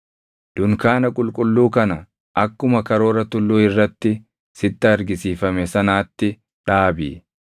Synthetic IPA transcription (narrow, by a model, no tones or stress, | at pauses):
d̪̥ʊŋkaːnɐkʼʊlkʼʊlːuːkɐnɐ | ʔɐkːʊmɐkɐɾo̞ːɾɐt̪ʊlːuːɪrːɐt̪ːɪ | sɪt̪ːɐɐɾɡɪsiːfɐmɛsɐnaːt̪ːɪ | ᶑaːbḭː